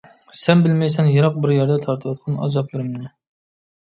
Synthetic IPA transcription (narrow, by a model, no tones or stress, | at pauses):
sɛnbɪlmɛjsɛnjeɾɑq̚bɪɾjæɾd̪ɛt̪ʰɑɾt̪ʰɨwɑt̪̚qʰɑnɑ̰zɑplˠɨɾɨmnɪ